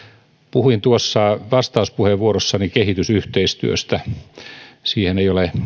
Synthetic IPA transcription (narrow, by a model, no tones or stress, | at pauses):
puhuint̪uosːɑʋɑst̪ɑuspuheʋʋuorosːɑnikehit̪ysyht̪eist̪yø̰st̪æ | siːhenejole